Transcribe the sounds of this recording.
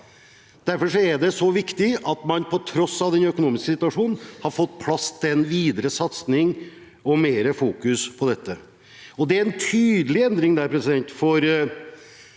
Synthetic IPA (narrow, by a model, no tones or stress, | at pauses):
d̪̥æɾfɔʂɔæɖɛsɔʋɪkt̪ɪɑt̪mɑnpʰɔt̪ʰɾɔsːɑʋd̪ɛnœkʊnuːmɪskəsɪt̪ʉɑʂuːnn̩hɑɾfɔt̪ːpʰlɑst̪ʰɛnʋiːd̪əɾəsɑt̪snɪŋ | ɔmeːɾəfuːkʉspʰɔd̪ɛt̪ːə | ɔd̪ɛæɾɛnt̪ʰyːd̪əlɪɛnd̪ɾɪŋd̪æːɾpʰɾɛsɪd̪ɛnt̪fɔɾ